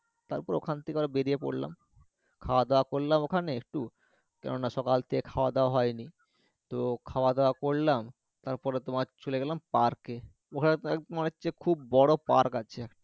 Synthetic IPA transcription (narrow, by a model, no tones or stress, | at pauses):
t̪aɾpɔɾo̰kʰant̪ʰekeaɾabeɾiepo̰ɽla̰m | kʰaoad̪eoakoɾlamokʰaneek̚ʈu | kɛ̰nonaʃɔkalt̪ʰekekʰaoad̪eoaɦɔeni | t̪okʰaoad̪eoakoɽlam | t̪aɾpɔɾet̪omat͡ɕoleɡɛlampaɾke | okʰaneet̪manet͡ɕekʰubːɔɽopaɾkat͡ɕʰeɛkʈa